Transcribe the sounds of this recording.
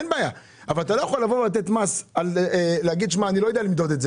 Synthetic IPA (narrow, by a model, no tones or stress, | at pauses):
nbaːja | avalat̪alo̞jaχolːavovelat̪̬et̪masaleleaɡid̪ʃmaːnilojd̪ealimd̪o̞d̪etze